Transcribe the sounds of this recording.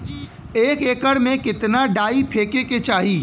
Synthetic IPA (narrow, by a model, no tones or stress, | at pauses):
eːkeːkəɽmẽkɪt̪naɖaːipʰeːkeket͡ʃaːɦiː